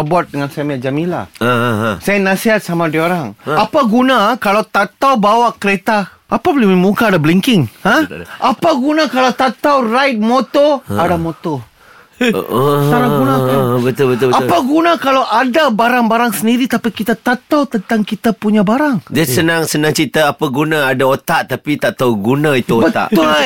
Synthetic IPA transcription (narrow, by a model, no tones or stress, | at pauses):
buat̪̚dəŋansajamiad͡ʒamĩla̰asajanasiɦat̪̚samadioɾaŋapaɡunakalawt̪at̪awbawaʔkəɾet̪a | ʔːpablimimukaːdabliŋkɪŋhãʔapaɡunakalawt̪at̪awrajt̪̚mot̪ɔadamot̪ɔ | aɾaɡunabət̪ʊbət̪ʊbapaɡunãkalawʔadabaɾaŋbaɾaŋsəndiɾit̪apikit̪at̪at̪awt̪ənt̪aŋkit̪apuɲabaɾaŋdasənaŋsənãŋt͡ʃit̪əapaɡunãːdaot̪aʔt̪apit̪at̪awɡunãit̪uobət̪a̰ʔ̪ʊ